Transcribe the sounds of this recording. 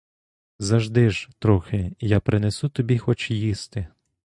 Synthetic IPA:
zɐʒd̪ɪʒt̪ɾɔxɪjapɾɪnesut̪ɔbʲixɔt͡ʃjist̪ɪ

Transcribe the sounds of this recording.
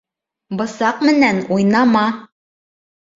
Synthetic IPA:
bɤ̆sɑqmɘ̆nænujnɑmɑ

